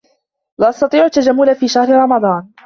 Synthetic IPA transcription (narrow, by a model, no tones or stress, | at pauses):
lɪʔɑst̪ɑt̪ˤiːʕʊt̪ːad͡ʒamːʊlafiːʃahɾɪɾˤɑmɑd̪ˤɑːn